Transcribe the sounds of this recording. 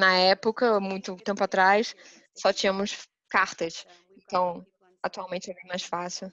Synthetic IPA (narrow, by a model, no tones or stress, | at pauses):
nɐɛpʊkɐmũj̃t̪ʊt̪ẽmpʊat̪ɾajs | sɔt͡ʃĩɲɐmʊs | kaɾt̪ɐs | ẽnt̪ɐ̃w̃ | at̪uawmẽnt͡ʃɪɛvĩmajsfasiʊ